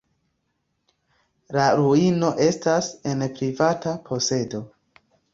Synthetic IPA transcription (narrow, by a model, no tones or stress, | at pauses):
laɾuino̞ʔe̞stase̞npɾivatapʰo̞se̞do̞